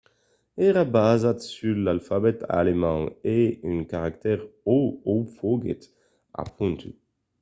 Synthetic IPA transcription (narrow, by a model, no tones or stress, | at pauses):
ɛʁabaːzatsylːalfabɛt̪a̰lemɑ̃eynkaʁakt̪ɛʁoofoɡḛt̪ | a̰pʰɔ̃nt̪ʰy